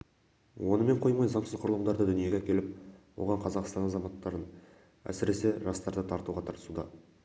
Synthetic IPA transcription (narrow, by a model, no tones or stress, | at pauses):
wo̞nəme̞ɴqʰo̞jmɑjzɑɴsəzqʰʊɾəlˠəmd̪ɑɾd̪əd̪ʏnije̞ɡʲeækʲe̞lɪp̚wo̰ʁɑɴqʰɑzɑqst̪ɑnɑzɑmɑt̪ːɑɾən | æ̰sɪɾe̞se̞ʒɑst̪ɑɾd̪ət̪ʰɑɾt̪uʁɑt̪ʰɑɾt̪əsud̪ɑ̰